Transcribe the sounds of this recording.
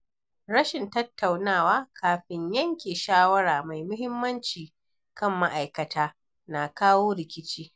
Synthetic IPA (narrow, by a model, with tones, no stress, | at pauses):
ɽɐ˦ʃɪ˨ntɐ˦tːa˨wnaː˦˨waː˦kʰaː˨ɸɪ˨ɲjɐ˦ŋkʲeː˨ʃaː˦wɐ˦ɽaː˨ma˨jmʊ˦hɪ˦mːɐ˦nt͡ʃiː˨ | kɐ˦˨mːa˦ʔa˨jkɐ˨tʰaː˦ | na˨kaː˦woː˦ɽɪ˨kʲɪ˦t͡ʃiː˦